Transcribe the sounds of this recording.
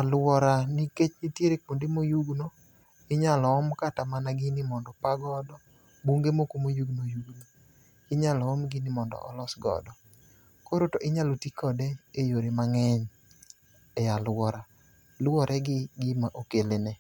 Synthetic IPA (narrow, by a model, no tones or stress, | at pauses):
alwɔɾaniket͡ʃnitjeɾek̚mondemojuɡno | ɪɲalɔɔmkatamanaɡɪnɪmɔndɔpaɡɔdɔ | buŋɡemokomojuɡnojuɡno | ɪɲalɔɔmɡɪnɪmɔndɔ̰ʔɔ̰lɔsɡɔ̰dɔ | koɾotoʔɪɲalotikɔdeejoɾimaŋɛɲ | ɛjalwɔɾa | lwɔɾʔɛɡɪɡɪmaʔokelenɛ